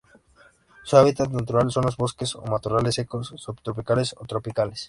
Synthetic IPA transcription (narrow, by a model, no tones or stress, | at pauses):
suaβit̪at̪nat̪uɾalso̞nlo̞zβo̞ske̞so̞̰mat̪urale̞se̞kosːupt̪ɾopikalesot̪ɾo̞pikales